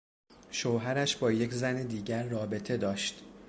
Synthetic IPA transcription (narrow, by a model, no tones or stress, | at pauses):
ʃoɦæɾæʃbɒːje̞cʰzæned̪iːɟæɾːɒːbe̞t̪ʰe̞d̪ɒːʃt̪